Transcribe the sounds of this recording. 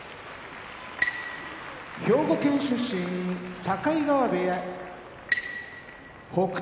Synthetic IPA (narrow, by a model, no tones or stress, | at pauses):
ço̞ːɡo̞kẽ̞ɰ̃ɕɨɕĩɲisakaiɡaβabeja | hok